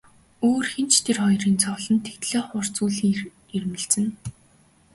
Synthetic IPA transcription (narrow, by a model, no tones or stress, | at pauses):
oːrxent͡ɕt̪ʰerχɔjriːnt͡sʰɔɮɞ̆nt̪ʰext̪ɮeːχʊr̥t͡suːɮi | ermɘ̆ɮt͡sɘ̆n